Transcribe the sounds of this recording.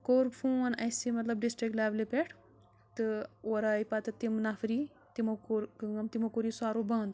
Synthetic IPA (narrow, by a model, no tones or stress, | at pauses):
koːɾfʰuːnɐsimɐt̪lɐb̚ɖisʈɾik̚ʈlaːʋlepeʈʰ | t̪ɨoɾaːjpat̪ɨt̪imnafɾi | t̪imokuɾkɨŋɐmt̪imokuɾisaːɾobɐ̃ːnd̪